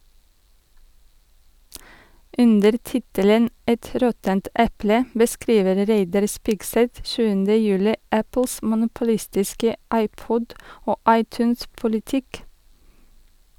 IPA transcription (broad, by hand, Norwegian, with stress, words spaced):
ˈʔʉndəɾ ˈtɪtələn ˈɛt ˈɾɔtənt ˈʔɛplə bəˈskɾiːʋəɾ ˈɾæɪdɑɾ ˈspɪɡsɛt ˈʃʉːəndə ˈjʉːlɪ ˈæpl̩s mʊnʊpʊˈlɪstɪskə ˈɑɪˌpɔd ˈoː ˈɑɪˌtʉːns pʊlɪˈtɪk